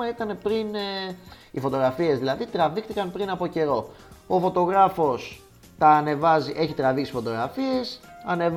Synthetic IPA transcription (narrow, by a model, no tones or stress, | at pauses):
ɐit̪ɐne̞pɾin | ifo̞t̪o̞ɣɾɐfie̞zðilɐðit̪ɾɐvikθikɐnpɾinɐpo̞ce̞ɾo̞ | ofo̞t̪o̞ɣɾɐfo̞s | t̪ɐːne̞vɐziʔe̞çit̪ɾɐviksi̥fo̞t̪o̞ɣɾɐfie̞sɐne̞v